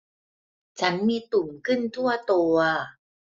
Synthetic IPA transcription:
t͡ɕʰa˦˥nmiː˧t̪u˨˩ŋkʰɯ˥˩nt̪ʰu˥˩ɐt̪u˧ɐ

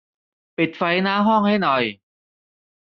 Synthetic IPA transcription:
pi˨˩t̪̚fa˧˥jnaː˦˥ɦɔ˥˩ŋha˥˩jnɔ˨˩j

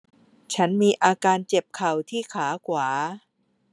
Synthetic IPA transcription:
t͡ɕʰa˦˥nmiː˧ʔaː˧kaː˧nt͡ɕe˨˩p̚kʰa˨˩wt̪ʰiː˥˩kʰaː˩˦kʰwaː˩˦

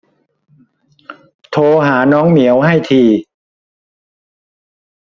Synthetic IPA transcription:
t̪ʰoː˧ɦaː˩˦nɔː˦˥ŋmi˩˦əwha˥˩jt̪ʰiː˧

